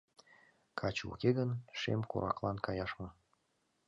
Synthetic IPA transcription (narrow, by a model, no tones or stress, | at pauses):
kʰɑt͡ɕṵkeɣənʃḛmkṵɾʔɑ̰klɑnkɑjɑʃmɤ̆